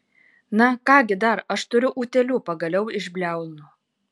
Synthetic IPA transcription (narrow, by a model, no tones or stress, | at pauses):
nɐkɑːɡʲɪd̪ɐɾɐʃt̪ʊɾʲʊʔuːt̪ʲɛlʲuːpɐɡɐlʲɛʊɪʒʲbʲlʲæˑʊlʲˠnuː